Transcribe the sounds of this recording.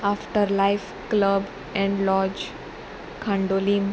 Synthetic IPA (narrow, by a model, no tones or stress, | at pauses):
afʈəɾlaɪf | kləb | ɛ̃ɳɖlɔːd͡ʒ | kʰãɳɖolim